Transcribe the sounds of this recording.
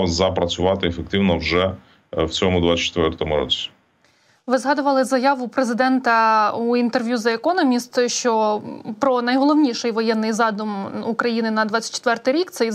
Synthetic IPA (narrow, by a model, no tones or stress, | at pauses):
wzɐpɾɐt͡sʲʊʋɑt̪ɪefek̚t̪ɪwnɔwʒɛ | wt͡sʲɔmʊd̪ʋat͡sʲːt͡ʃt̪ʋɛrt̪ɔmʊɾɔ̰t͡sʲi̥ | ʋɪzɦɑd̪ʊʋɐlˠɪzɐjɑʋʊpɾezɪd̪ɛnt̪ɐuint̪erʋʲjuzɐekɔnɔmʲist̪ʃt͡ʃɔpɾɔnɐjɦɔlˠɔʋnʲiʃɛjʋɔjɛnːɪjzɑd̪ʊmukɾɐjinɪnɐd̪ʋɑt͡sʲɐ̥t̚ʲt͡ʃːɪ̥t̪ʋɛrt̪ɪjɾʲikt̪sɛ